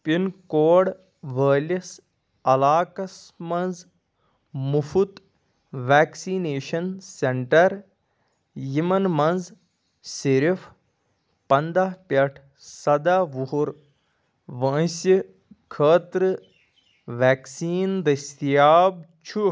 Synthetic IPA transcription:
pinkoːɽ | ʋəːlʲɐs | ɐlaːkɐs | mɐnz | mufut̪ | ʋæːksineːʃɐnseɳʈɐɾ | jimɐnmɐnz | siɾifʰ | pɐnd̪aɦpʲɐʈʰ | sɐd̪aʋuɦuɾ | ʋɐ̃si | kʰəːt̪ɾɨ | ʋæːksiːnd̪ɐst̪ijaːb̚t͡ʃʰu

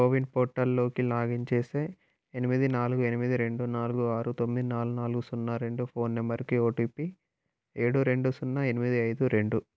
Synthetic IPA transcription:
koʋinpoːʈːɐlːo̞ːkilaːɡiɲt͡ʃeːseː | enimid̪inaːluɡue̞nimid̪iɾe̞ɳɖunaːluɡuaːɾut̪o̞mːid̪inaːlunaːluɡusunːɐɾe̞ɳɖupʰo̞ːnːembɐɾikioːʈuːpi | e̞ːɽuɾe̞ɳɖusunːɐe̞nimid̪iɐjd̪uɾe̞ɳɖu

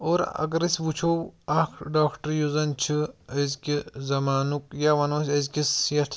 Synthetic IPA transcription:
oːɾɐ̰ɡɐɾisʋut͡ʃʰoɐkʰɖaːkʰʈɐɾjuzɐnt͡ʃʰɨɐzkizɐmaːnukjaʋɐnoːsʲɐzkʲisjɐt̪ʰ

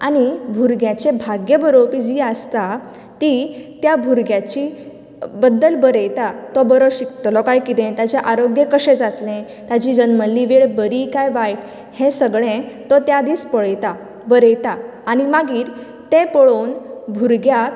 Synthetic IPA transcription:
aɽ̃ibʱuɾɡjat͡ɕebʱaɡjəbəɾopid͡ʑiːəst̪a | t̪it̪jabʱuɾɡjat͡ɕi | bəd̪ːəlbəɾəjt̪at̪ɔbəɾɔɕikt̪ɔlɔkajkit̪ẽt̪jat͡ɕaʔaɾoɡjekəɕẽd͡zat̪lẽ | t̪jad͡ʑid͡ʑənməlːiʋeɭbəɾikajʋajʈ | hẽsəɡɭẽt̪ɔt̪jad̪iːspəɭəjt̪a | bəɾəjt̪aː | ɽ̃imaɡiːɾ | t̪ẽpəɭonbʱuɾɡja

